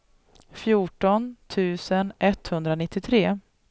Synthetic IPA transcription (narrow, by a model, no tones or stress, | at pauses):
fjuːʈɔnt̪ʰʉ̟ːsənʔɛt̪hɵnd̪ɾanɪt̪ːɪt̪ʰɾeː